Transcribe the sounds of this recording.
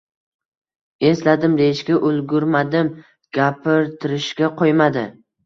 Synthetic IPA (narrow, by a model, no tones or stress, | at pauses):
e̞slad̪ɪmd̪e̞ɪʃɡʲaʔʊlˠɡʲʊɾmad̪ɪm | ɡ̥ʲapʰɪɾt̪ʰɪɾɪʃɡʲaqʰojmad̪ɪ